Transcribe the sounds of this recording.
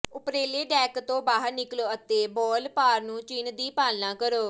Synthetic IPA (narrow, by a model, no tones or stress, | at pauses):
ʊpɾeːleːɖɛːkt̪õːbaːɦəɾnɪkloːət̪eːbɔːlpaːɾnũːt͡ʃiːnd̪iːpaːlnãːkəɾoː